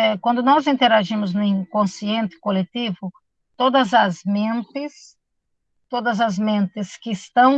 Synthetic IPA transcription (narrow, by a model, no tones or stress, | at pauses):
ɛkwɐ̃nd̪ʊnɔzĩnt̪eɾaʒĩmʊznʊĩkõsiẽnt̪ɪ̥kolet̪ivʊ | t̪od̪ɐzɐzmẽnt̪ɪs | t̪od̪ɐzɐzmẽnt̪ɪskɪːst̪ɐ̃w̃